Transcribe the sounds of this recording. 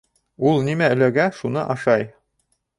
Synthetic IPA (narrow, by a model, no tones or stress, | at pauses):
ulˠnimæɵ̆læɡæʃunɤ̰ʔɑʃɑj